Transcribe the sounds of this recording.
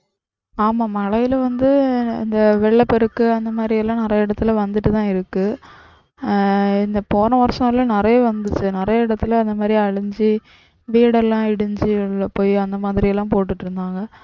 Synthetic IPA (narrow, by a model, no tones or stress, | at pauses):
aːmaːmɐɭɐjɪlʋɐnd̪ɯɪ̰nd̪ɐʋɛɭːɐpɛɾɯkːɯɐnd̪ɐmaːd̪ɾɪjɛlːãːnɪɾɐjɐɪɽɐt̪ːɪlʋɐnd̪ɯʈːɯt̪ãːɪɾɯkːɯ | ɪnd̪ɐpoːnɐʋɐɾsɐ̃ŋlɐnɪɾɐjɐʋɐnd̪ɯt͡ʃːɯnɪɾɐjɐɪɽɐt̪ːɪlɐnd̪ɐmaːd̪ɾiɐɻɯɲd͡ʒi | ʋiːɽɛlːãːɪɽɯɲd͡ʒɯɭːɐpoːjɐnd̪ɐmaːðɪɾɪjɛlːãːpoːʈːɯʈːɯɾɯnd̪aːŋɡɐ